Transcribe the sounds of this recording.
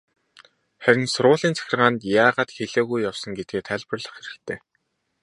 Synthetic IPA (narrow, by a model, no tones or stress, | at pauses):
χæɾʲɪ̆nsʊɾʊːɮiːnt͡sʰæ̥xʲɪ̆rʁaːnt̪jaːʁaːt̪xeɮeːɣujːawsɞ̆ŋɡet̪̚ɡeːt̪ʰæɮʲpə̆rɮə̆χxeɾɘ̆kt̪ʰeː